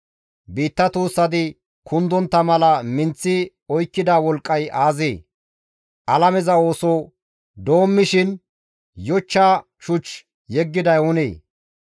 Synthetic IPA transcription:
biːt̪ːɐt̪uːsːɐd̪ɪ | kʰʊnd̪ɔnt̪ːɐmɐlɐmɪnt͡sːɪ | ɔjkːɪd̪aːwɔlkʼːɐjaːzeː | ʔɐlɐmɛzɐo̞ːsɔ | d̪o̞ːmːɪʃɪn | jɔt͡ʃːaː | t͡ʃʊt͡ʃ | jɛɡːɪd̪ɐjʊnḛː

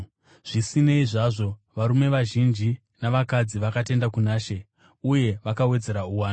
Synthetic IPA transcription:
ʐ̥isine̞iʐaʐo̞ʋaɾume̞ʋaʒind͡ʒi | naʋakad͡ziʋakate̞ndakunaːʃe̞ | uje̞ʋakawe̞d͡ze̞ɾauwaːna

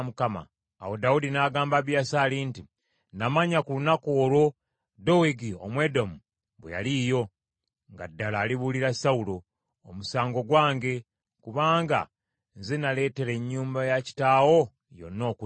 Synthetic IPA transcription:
mukama̰ː | wo̞daudinaɡaːmbaβjasalinti | namaɲakulunakoːlo̞ | do̞weɡio̞̰mwe̞domu | βḛja̰liːjo̞ | ŋɡa̰dːalaːliβuliɾasaulo̞ː | musaːŋɡo̞ɡwaːŋɡe̞ | kuβaːŋɡa̰ | nzenale̞ːte̞ɾe̞ɲːuːmbajaci̥taːwo̞ | jo̞̰nːo̞ːku

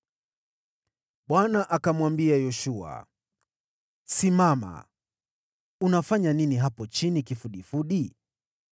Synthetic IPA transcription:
ɓwanaʔakamwambiajɔʃua̰ | simama̰ | unafaɲaniniɦapɔt͡ʃinikifuɗifuɗi

